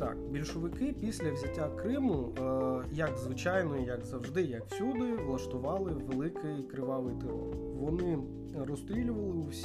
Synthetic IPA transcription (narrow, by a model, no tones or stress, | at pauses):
t̪ɑ̰kbʲilʲʃʊʋɪkɪpʲisʲlʲɐwzʲɐtʲːakɾɪmʊ | jɐkzʋɪt͡ʃɑjnɔijɐɡzɐwʒd̪ɪjɐkwsʲud̪ɪʋlˠɐʃt̪ʊʋɑlˠɪʋelˠɪkɪjkɾɪʋɑʋɪjt̪ɪɾɔ̰r | ʋɔnɪ | rɔst̪ɾʲilʲʊʋɐlˠɪuwsʲ